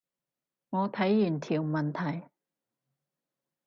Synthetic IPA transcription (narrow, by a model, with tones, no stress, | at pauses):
ŋɔː˨˧t̪ʰɐ˨˥jjy˨˩nt̪ʰiː˨˩wmɐ˨nt̪ʰɐ˨˩j